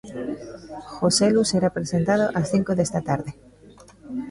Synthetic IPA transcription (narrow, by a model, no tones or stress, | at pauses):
xoseluseɾapɾesent̪að̞oʔasθiŋkoðest̪at̪aɾðe